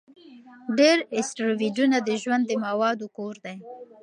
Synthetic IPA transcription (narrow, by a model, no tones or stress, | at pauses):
ɖeɾɪsʈɾowiɖunad̪əʒwand̪ːəmawɑd̪okoɾd̪aj